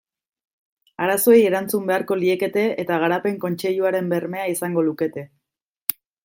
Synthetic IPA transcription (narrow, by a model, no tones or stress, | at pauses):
aɾaso̞eje̞ɾant͡sumbe̞aɾko̞lie̞ke̞t̪e̞ːt̪aɣ̞aɾape̞ŋko̞nt͡ʃe̞ʎuaɾe̞mbe̞rme̞aisaŋɡo̞luke̞t̪e̞